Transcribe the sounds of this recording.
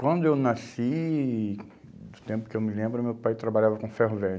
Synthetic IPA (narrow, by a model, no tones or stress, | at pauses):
kwɐ̃nd̪ʊewnasi | d̪ʊt̪ẽmpʊ̥kɪewmɪlẽmbɾʊmewpajt̪ɾabaʎavɐkõfeɦovẽ